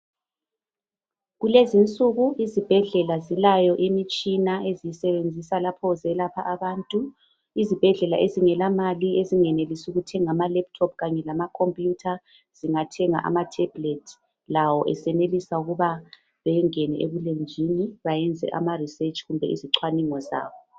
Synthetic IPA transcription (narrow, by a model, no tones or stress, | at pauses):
ɣulezint͡sʼuɣuizib̥ʱɛɮɛlazilajɔʔimit͡ʃʼinaezijisɛβend͡zʱisalapʰɔzɛlapʰaʔaβaːntʼu | izib̥ʱɛɮɛlaʔeziŋɛlamalieziŋɛnelisuɣutʰɛŋamalɛp̚tʰɔp̚ʰɣaɲɛlamakʰompʼjutʰa | z̥iŋatʰɛŋa̰ʔa̰matʰɛb̥letʰ | lawɔʔɛsɛnelisauɣuβa | βɛjɛŋɛnɛ̰ʔeβulend͡ʒʱiniβajɛnd͡zʱɛ̰ʔa̰mariset͡ʃʼɣumbʱɛiziǁʰwaniŋɔza̰ːwɔ